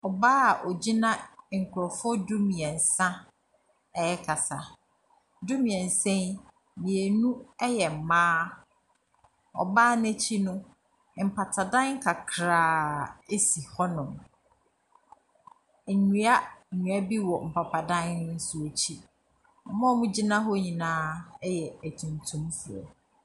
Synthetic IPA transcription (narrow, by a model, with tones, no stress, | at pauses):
ɔ˨baː˦a˨ʔɔ˨d͡ʑi˦nã˦˨ŋ̩˨kʰʊ˨ɾɔ˨fʊ˦dʊ˦mĩ˨ɛ̃˨n˨sã˦ | ɛ˨jɛ˦kʰa˨sa˨ | dʊ˦mĩ˨ɛ̃˨n̩˨sɛ̃˦n | mĩ˨e˨nũ˦ɛ˦jɛ˨m̩˨mãː˦ | ɔ̰˨baː˦nɛ̃˦t͡ɕʰi˦nʊ̃˦˨ | m̩˨pʰa˨tʰa˨dã˦ŋ˦kʰa˨kʰɾaː˨e˦si˨hɔ˦nʊ̃˨m˨ | ɲũ˦a˦˨ɲũ˨a˦bi˦wɔ˨m̩˨pʰa˨pʰa˨dã˦nnʊ̃˦n̩˦sʊ˨e˨t͡ɕʰi˦ | ɔ˨mã˦mũ˦d͡ʑi˦nã˦ɦɔ˦ɲĩ˨nãː˦jɛ˨æ˨tʰũ˨ntʰũ˦mfɾɔ̰˨